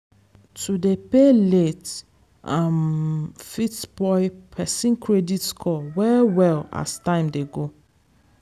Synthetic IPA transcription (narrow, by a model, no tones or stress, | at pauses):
tudepelet | amfitbɔɪpʰɛsĩnkʰɹeditskʰɔwɛwɛla̰stãɪ̃mdeɡo